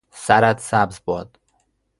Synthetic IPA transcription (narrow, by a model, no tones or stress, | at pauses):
sæɾæd̪sæbzbɒːd̪̥